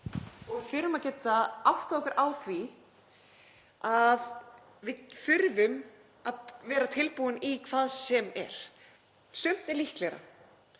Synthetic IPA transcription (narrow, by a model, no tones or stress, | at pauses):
ɔɣfɪɾʏmaðcɛːt̪aawht̪aɔkʏɾʔaːwθvi | að | vɪðfʏɾvʏm | aðvɛːɾat̪ʰɪlpuʏnikʰv̥aːðsɛmɛ̰ɾ̥ | sʏm̥t̪ɛɾlihklɛɾa̰